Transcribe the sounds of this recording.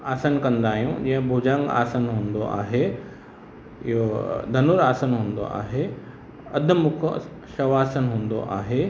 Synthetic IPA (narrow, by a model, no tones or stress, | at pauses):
aːsənkɐ̃nd̪aːɦijũd͡ʑɐ̃ɦɪ̃bʱuːd͡ʑə̃ŋɡa̰ːsənɦũːnd̪oʔa̰ːɦe | ɪ̰ɦod̪ʱɐnʊɾaːsənɦũːnd̪o̰ʔa̰ːɦe | ɐ̰d̪̆ʱmʊkʰ | ʃɐʋaːsənɦũːnd̪o̰ʔaːɦe